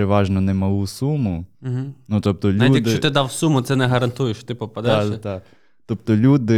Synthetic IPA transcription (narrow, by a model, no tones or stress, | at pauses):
eʋɑʒnɔnɛmɐlˠusumʊɦ̩nut̪ɔp̚t̪ɔlʲiujdk̪ɪt͡ʃɔt̪ɪd̪ɑwsumʊt̪sɛnɛɦɐɾɐnt̪ujɪʃt͡ʃt̪ɪpɔpɐd̪ɛst̪ɑ | t̪ɔp̚t̪ɔlʲud̪ɪ